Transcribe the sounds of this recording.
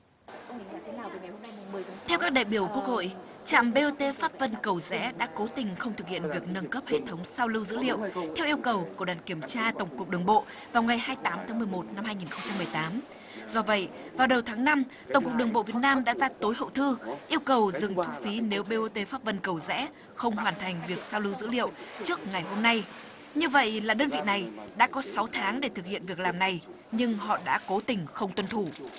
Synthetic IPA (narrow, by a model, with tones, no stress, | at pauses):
t̪ʰɛ˧wkaː˦˥k̚ɗa̰ː˧˨jɓi˧˩əwku˦˥ək̚ho̰˧˨jʔ | t͡ɕa̰ː˧˨mɓe˧ʔo˧t̪e˧faː˦˥p̚və˧nkə˨˩wzɛ̰˧˥ɗa̰ː˧˥ko˨˦t̪ï˨˩ŋ̟xə˧wŋ͡mt̪ɨ˨˩k̚hḭ˧˨ənvi˨˩ək̚nə˧nkə˦˥p̚hḛ˧˨t̪ʰə˨˦wŋ͡msa˧wlɨ˧wzɨ̰˧˥lḭ˧˨əwt̪ʰɛ˧wʔi˧ə˧wkə˨˩wku˧˩əɗwaː˨˩nki˧˩əmt͡ɕaː˧t̪ə˧˩wŋ͡mku˨˩ək̚ɗɨ˨˩əŋɓo̰˧˨ | vaː˨˩wŋa˨˩jhaː˧jt̪aː˨˦mt̪ʰaː˨˦ŋmɨ˨˩əjmo˨˩t̚na˧mhaː˧jŋi˨˩nxə˧wŋ͡mt͡ɕa˧mːɨ˨˩əjt̪aː˨˦m | zɔ˧və̰˧˨jvaː˨˩wɗə˨˩wt̪ʰaː˨˦ŋna˧mt̪ə˨˩wŋ͡mkk̚ɗɨ˨˩əŋɓo̰˧˨vi˨˩ə˩t̚naː˧mɗa̰ː˧˥zaː˧t̪o˨˦jhɦə̰˧˨wt̪ʰɨ˧ʔi˧əwkə˨˩wzɨ˨˩ŋt̪ʰu˧fi˨˦ne˨˦wɓe˧ʔo˧t̪e˧faː˦˥p̚və˧˨nkə˨˩wzɛ̰˧˥ | xə˧wŋ͡mɦwaː˨˧˩nt̪ʰa˨˩jŋ̟vi˨˩ək̚saː˧wlɨ˨˧˦wzɨ̰˧˥lḭ˧˨əwt͡ɕɨ˦˥ək̚ŋa˨˩jɦo˧mna˧j | ɲɨ˧və̰˧˨jʔlaː˨˩ɗəː˧nvḭ˧˨na˨˩jɗa̰ː˧˥kɔ˨˦sa˨˦wt̪ʰaː˨˦ŋɗe˧˩t̪ʰɨ˨˩k̚hḭ˧˨ənvi˨˩ək̚laː˨˩mna˨˩j | ɲɨ˧ŋhɔ̰˧˨ɗa̰ː˧˥ko˨˦t̪ï˨˩ŋ̟xə˧wŋ͡mt̪wə˧nt̪ʰu˧˩